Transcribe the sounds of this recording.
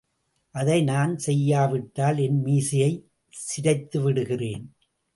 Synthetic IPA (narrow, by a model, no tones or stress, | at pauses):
ʔɐðɐɪnaːnsɛjːaːʋɪʈːaːlɛnmiːsɪjɐɪ | sɪɾɐɪt̪ːɯʋɪɽɯɣɪreːn